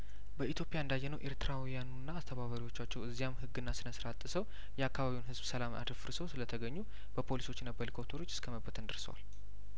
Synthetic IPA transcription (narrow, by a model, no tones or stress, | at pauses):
bəit̪jo̞pʼijaɨnd̪ajːɛnəwʔe̞ɾt̪ʰɨɾawijanunːaːst̪ʰəβaβəɾiwo̞t͡ʃːat͡ʃːɛwɨzːijamhɨɡːɨnːasɨnəsɾat̪ʼːɨsəw | jɛakːaβaβiwunɦɨzbsəlama̰d̪fɨɾsəwsɨlət̪ʰəɡəɲːu | b̥əpʰo̞liso̞t͡ʃːɛnːəbːəlikʰo̞pt̪ʰoɾo̞t͡ʃːɨskʰəməbːət̪ʰɨnd̪əɾsəwa̰l